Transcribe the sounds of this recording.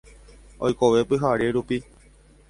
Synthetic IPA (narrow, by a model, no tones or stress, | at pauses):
o̰jkoʋe̞pɨɦaɾe̞ɾupi